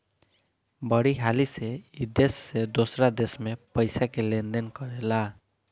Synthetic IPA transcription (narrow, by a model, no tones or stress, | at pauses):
bʌɽiɦaliseid̪esːed̪osɾad̪esmepəjsakelend̪enkɔɾela